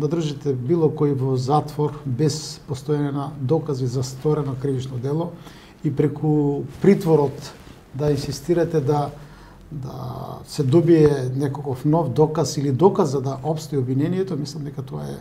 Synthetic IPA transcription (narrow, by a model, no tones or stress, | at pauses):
d̪ad̪r̩ʒit̪ɛbilˠɔkɔivɔzat̪vɔɾbɛspost̪ɔanɛnad̪ɔkazizast̪vɔɾɛnɔkɾivit͡ʃnɔd̪ɛlˠɔ | ipɾɛkʰupɾit̪vɔɾɔt̪ | d̪ainsist̪iɾat̪ɛd̪a | d̪a̰sɛd̪ɔbiɛnɛkokɔfnɔvd̪ɔkasilid̪ɔkazad̪aʔɔpst̪ɔiɔbvinɛnijɛt̪ɔmislˠamd̪ɛkat̪ɔaɛ̰